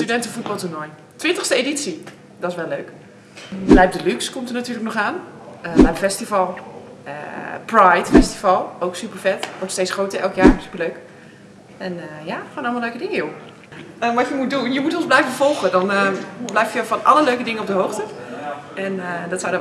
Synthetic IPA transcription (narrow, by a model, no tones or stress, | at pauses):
stydɛntəfut̚bɔlˠtunɔj | tʋɪntəxstəedisi | dɔsʋɛlːøːk | blɛjp̚dəlykskomtərnatyːləknɔχaːnəblɛjəfɛstifɔlˠə̰prajtfɛstifɔlˠowksypərfɛtʋɔrtsteːsχroːtəɛlˠkjaːrsy̥pərløːk | ɛnəjaxoːnɔlˠmalˠøːkədɪŋəjo | əʋɔtjəmut̚dunjəmutonzblɛjvəfɔlˠɣədɔnblɛjftjəfɔnʔa̰lˠəløːkədɪŋəop̚dəɦoːwxtə | ɛndɔtsawd